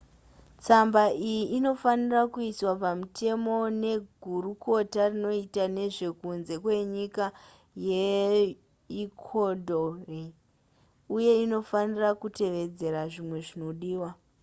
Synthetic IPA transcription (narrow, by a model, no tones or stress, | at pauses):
t͡sambaijiino̞fanirakuiswapamute̞mo̞ne̞ɡʱuɾuko̞tarino̞itane̞ʐe̞kunze̞kwe̞ɲika | je | ikʰodʱore | uje̞ino̞fanirakute̞ʋe̞d͡ze̞ɾaʐimwe̞ʐino̞ɗiːwa